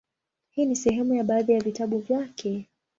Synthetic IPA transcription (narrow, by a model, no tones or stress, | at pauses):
hiːnisɛɦɛmujaɓaːðijavitaɓuvjakʰɛ